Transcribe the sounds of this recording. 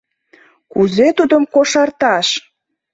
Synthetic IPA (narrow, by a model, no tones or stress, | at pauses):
kuzet̪ud̪əmkoʃɑrt̪ɑʃ